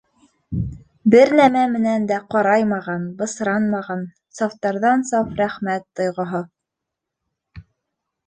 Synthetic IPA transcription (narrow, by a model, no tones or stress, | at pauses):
bɘɾnæmæmɘ̆nænd̪æqɑɾɑjmɑʁɑnbɤ̆sɾɑnmɑʁɑn | sɑft̪ɑɾðɑnsɑfɾæχmæt̪ːŏjʁŏɦo